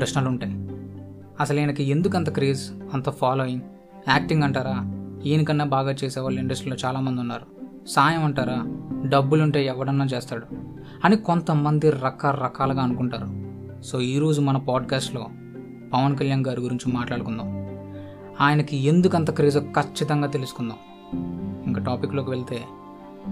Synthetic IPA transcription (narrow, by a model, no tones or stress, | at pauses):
pɾɐʃnɐluɳʈaːji | ɐsɐlaːjnɐkiend̪ukɐnt̪ɐkɾiːzɐnt̪ɐpʰaːloːjiŋɡ | aːkʈiŋɡɐɳʈaːɾaːiːnikɐnːeːbʱaːɡaːt͡ʃeːsɛːʋaːɭːiɳɖɐsʈɾilo̞ːt͡ʃaːlaːmɐnd̪unːaːɾu | saːjɐmɐɳʈaːɾaːɖɐbːuluɳʈe̞ːɛʋːɐɽɐnːaːt͡ʃeːst̪aːɽu | ɐnikont̪ɐmɐnd̪iɾɐkɐɾɐkaːlɐɡaːɐnukuɳʈaːɾu | so̞ːiːɾo̞ːd͡ʒumɐnɐpaːɖkaːsʈlo̞ː | pɐʋɐnkɐljaːnɡaːɾiɡuɾiɲt͡ʃimaːʈlaːɽukund̪aːm | aːjɐnɐkiend̪ukɐnt̪ɐkɾiːzɐkɐt͡ʃːit̪ɐŋɡaːt̪e̞lusu̥kund̪a̰ːm | iŋkɐʈaːpikːlo̞ːkiʋeɭit̪e̞ː